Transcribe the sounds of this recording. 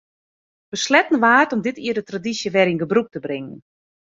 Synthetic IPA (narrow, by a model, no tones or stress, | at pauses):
b̥əslɛtən̩ʋaːrtɔmdɪtiərdətradisjəʋɛɾinɡəbruk̚təbrɪŋən